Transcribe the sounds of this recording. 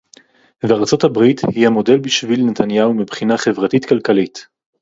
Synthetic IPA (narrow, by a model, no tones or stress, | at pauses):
veaʁt͡so̞thabʁithihamo̞de̞lbiʃvilnetʰanjaumibχinaχevʁatitkalkalit